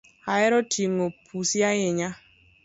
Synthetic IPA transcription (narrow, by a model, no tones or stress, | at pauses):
ajɛɾɔtʰiŋopʰusjajɪɲa